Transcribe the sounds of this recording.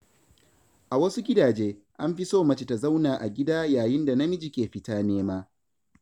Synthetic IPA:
ʔa˨wɐ˦su˦ɡʲɪ˦daː˨d͡ʒeː˦ | ʔa˦mɸi˦soː˦mɐ˦t͡ʃe˨ta˨za˦wnaː˨ʔa˨ɡʲɪ˦daː˦jaː˨jɪ˦nda˨nɐ˦mɪ˦d͡ʒi˦kʲeː˨ɸɪ˦taː˦neː˦maː˦

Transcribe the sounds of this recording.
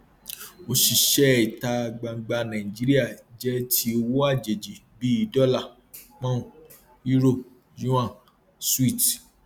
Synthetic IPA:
o˧ʃi˨ʃɛ˦i˨ta˧˨ɡ͡ba˨˧ɡ͡ba˧nã˨ĩ˨d͡ʒi˨˦ɾi˦a˦˨d͡ʒɛ˦tʰi˦o˧wo˦a˦˨d͡ʒe˨d͡ʒi˨bi˦i˧dɔ˦la˦˨ | k͡pɔ̃˦ũ˨ | ju˦ɾo˦˨b | jũ˦ã˦˨ | swi˦˨t

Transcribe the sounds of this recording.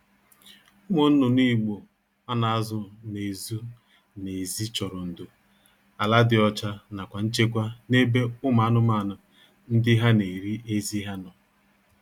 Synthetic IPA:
ʊ˦mo˨n̩˦nʊ˨niː˦˨ɡ͡bo˨ | a˦na˨a˦zʊ˦˨ne˨zu˦ | ne˨zi˦t͡ʃɔ˨ɾɔ˨n̩˨do˨ | a˨la˦dɪ˨ɔ˦t͡ʃa˦na˨kʷa˨n̩˦t͡ʃe˦kʷa˦ne˦be˦ʊ˦ma˨a˦nʊ˦ma˦˨nʊ˨ | n̩˦dɪ˦ɦa˦ne˨ɾi˦ʔe˦zi˦ɦa˦nɔ˨

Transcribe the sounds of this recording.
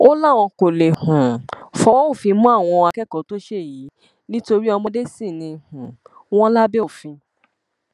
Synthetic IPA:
o˦la˦˨w̃ɔ̃˧ko˨le˨hũ˨fɔ̃˨˦o˦˨fĩ˧mũ˦a˦˨w̃ɔ̃˧a˧kɛ˦˨kɔ˨˦to˦ʃe˦˨ji˨˦ | nĩ˦to˧ɾi˦ɔ˧mɔ̃˧de˦sĩ˦˨nĩ˧hũ˨w̃ɔ̃˦la˦be˦o˦˨fĩ˧

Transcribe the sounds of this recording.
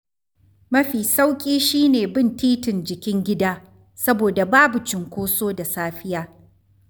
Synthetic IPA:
mɐ˦ɸiː˨sa˦wkʲʼiː˦ʃiː˦neː˨bɪ˦˨ntiː˦tɪ˨nd͡ʒɪ˨kʲɪ˦ŋɡʲɪ˦daː˦ | sɐ˦boː˨da˨baː˦bʊ˨t͡ʃɪ˨ŋkʷoː˦soː˦da˨saː˦ɸɪ˦jaː˦

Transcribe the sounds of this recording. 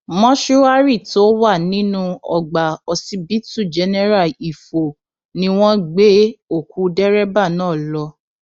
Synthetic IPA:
mɔ̃˦ʃu˦a˦ɾi˦˨to˦wa˦˨nĩ˦nũ˦ɔ̰˨ɡ͡ba˨ɔ˧si˧˦bi˦tu˦˨d͡ʒɛ˧nɛ˦ɾa˦˨i˨fo˨ | nĩ˧˦w̃ɔ̃˦ɡ͡be˨˦o˦˨ku˧˦dɛ˦ɾɛ˦ba˦˨nãː˨˦˨lɔ˧˦

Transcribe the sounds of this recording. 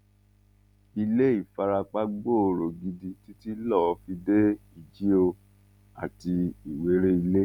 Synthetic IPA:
i˧le˦i˦˨fa˧ɾa˧k͡pa˦ɡ͡bo˦˨o˧ɾo˨ɡi˧di˧ti˦ti˦lɔ˦˨ɔ˧fi˧de˦i˨d͡ʒi˦o˧ | a˨ti˧i˨we˨˦ɾe˦i˧le˦

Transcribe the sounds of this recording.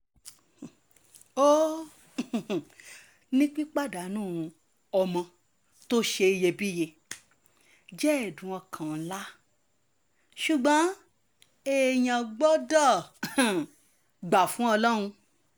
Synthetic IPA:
o˦˨ | nĩ˦k͡pi˦k͡pa˦˨da˨˦nũː˦˨˧ | ɔ˧mɔ̃˧ | to˦ʃe˧i˧je˧bi˦je˧ | d͡ʒɛ˦ɛ˨dũ˨ɔ̃˧kʰã˨˦la˦ | ʃu˨ɡ͡bɔ̃˨˦ | e˨jã˨˧ɡ͡bɔ˦dɔ˦˨ | ɡ͡ba˨fũ˨˦ɔ˧lɔ˦ɾ̃ũ˧

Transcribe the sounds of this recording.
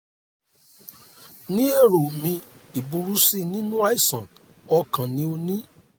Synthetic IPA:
nĩ˦e˦˨ɾo˨mĩ˧i˨bũ˨˧ɾu˦si˦˨nĩ˦nũ˦a˦i˦˨sɔ̃˨n | ɔ˧kã˨nĩ˦o˧nĩ˦

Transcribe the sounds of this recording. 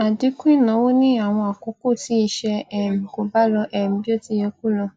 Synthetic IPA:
a˨di˨˦ku˦ĩ˦˨nã˨˦wo˦nĩ˦a˨w̃ɔ̃˧a˨ko˨˦ko˦˨ti˨˦i˧ʃɛ˧ɛ˦˨m̩˨ko˨ba˦ɾɔ˧ʔɛ˦˨m̩˨˦bi˦o˦ti˧˦je˧k̚u˦˨lɔ˧

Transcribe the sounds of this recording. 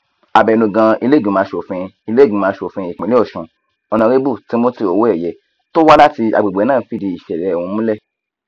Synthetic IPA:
a˨bɛ˨nũ˨ɡã˧i˧le˦˨ɡũ˨˦ãː˨˦ʃo˨fĩ˧i˧le˦ɡĩ˨˦mãː˨˦ʃo˨fĩ˧i˨k͡pĩ˨˦i˦ɔ˦˨ʃũ˧ | ɔ˧nã˧ɾe˦bu˦˨ti˨˦mo˦ti˧o˨wo˦ɛ˦˨jɛ˨˧ | to˦wa˦la˦ti˧a̰˨ɡ͡be˨ɡ͡bɛ˨˦nãː˦˨˦fi˦˨di˧i˨ʃɛ˨ɾɛ˨˦˨wũ˧mũ˦lɛ˦˨

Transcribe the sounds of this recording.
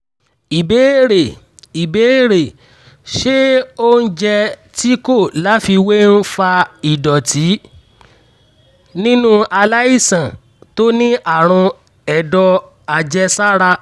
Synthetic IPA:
i˨be˨˦ɾe˨ | i˨be˨˦e˦˨ɾe˨ | ʃe˦o˦n̩˦d͡ʒɛ˧ti˦ko˦˨la˨˦fi˧we˦n̩˦fa˧i˨dɔ˨tʰi˨˦ | nĩ˦nũ˦a˧la˦i˦˨sã˨ | to˦nĩ˦ʔa˦˨ɾ̃ũ˧ | ɛ˦˨dɔ˧ | a˧d͡ʒɛ˧sa˦ɾa˧

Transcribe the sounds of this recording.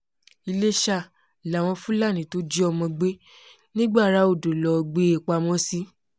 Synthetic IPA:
i˧le˦ʃa˦˨ | la˨w̃ɔ̃˧fũ˦la˦˨nĩ˨to˨˦d͡ʒi˦ɔ˧mɔ̃˧ɡ͡be˦ | nĩ˦ɡ͡ba˦˨ɾa˨˦o˦˨do˨lɔ˧ɡ͡be˦e˨k͡pa˧mɔ̃˦si˦

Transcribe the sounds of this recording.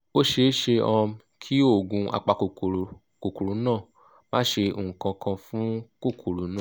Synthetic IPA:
o˦ʃe˧˦ʃe˧ɔ̃˧m˧ | kʰi˦o˦˨ɡũ˨a̰˧k͡pa˧˨ko˨ | ko˨ku˨ɾu˨˦nãː˦˨ | mã˦ʃe˧˨ŋ̩˨kã˧kʰã˧fũ˦ko˦˨kʰu˨ɾu˨˦nãː˦˨

